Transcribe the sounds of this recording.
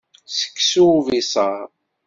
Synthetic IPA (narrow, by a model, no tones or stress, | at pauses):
sə̥kːsuvisˤɑɾˤ